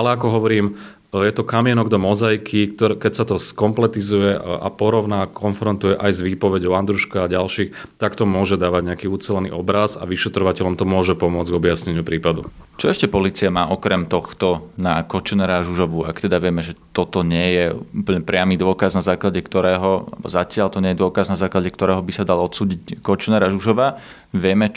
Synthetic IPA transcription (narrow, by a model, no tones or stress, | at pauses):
alɛakɔɦɔʋɔɾiːm | jɛt̪ɔkamɪɛnɔɡd̪ɔmɔzajkʰikt̪ɔkɛcsat̪ɔskɔmplɛt̪izujɛa̰pɔɾɔʊnaːkʰɔnfɾɔnt̪ujɛʔajzʋiːpɔʋɛɟɔʊand̪ɾuʃkaːɟalʃiːxt̪akt̪ɔmʊɔʒɛd̪aːʋaɟɲɛakiːut͡sɛlɛnḭːʔɔbɾaza̰ʋiʃɛt̪ɾɔʋacɛlɔmt̪ɔmʊɔʒɛpɔmʊɔd͡zɡɔbɪasɲɛɲɪupɾiːpad̪ut͡ʃɔɛʃcɛpɔliːt͡siamaːʔɔkɾɛmt̪ɔxt̪ɔnakɔt͡ʃnɛɾaʒuʒɔʋua̰kt̪ɛd̪aʋɪɛmɛʒɛt̪ɔt̪ɔɲɪɛjɛupl̩ɲɛpɾɪamiːd̪ʊɔkaznazaːklaɟɛkt̪ɔɾɛːɦɔa̰lɛbɔ̰zacɪalt̪ɔɲɛjɛd̪ʊɔkaznazaːklaɟɛkt̪ɔɾɛːɦɔbisad̪alɔt̪suːɟickɔt͡ʃnɛɾaʒuʒɔʋa | ʋɪɛmɛ